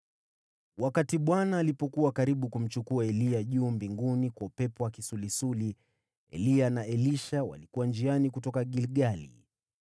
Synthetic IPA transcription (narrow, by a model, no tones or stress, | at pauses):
wakatiɓwanaːlipɔkuwakaɾiɓukum̩t͡ʃukuaɛliaʄuːmbiŋɡunikwaupɛpɔwakisulisuli | ɛ̰lianaɛliʃawa̰likuwand͡ʒianikutɔkaɠilɠalḭ